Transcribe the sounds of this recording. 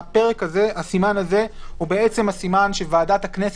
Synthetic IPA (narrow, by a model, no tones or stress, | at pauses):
ape̞ʁe̞kaze̞asimanaze̞hubeet͡se̞mhasimanʃevaːdat̪hakne̞s